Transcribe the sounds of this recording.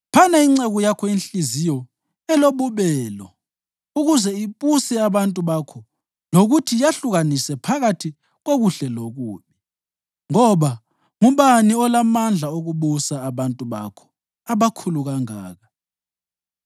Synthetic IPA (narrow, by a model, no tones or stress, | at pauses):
pʰanaiŋ͡ǀɛɣɔjakʰɔinɬizijɔ | ɛloβuβɛlɔ | uɣuzɛipʼusɛaβantʼuβakʰɔ | noɣutʰijaɬuɣanisɛpʰaɣatʰi | ɣoɣuɬɛloɣuːmi | ŋɔβa | ŋuβaniɔlamand͡ɮʱaoɣuɓusaːβantʼuβa̰kʰɔ̥ | aβakʰuluɣaŋa̰ːɣa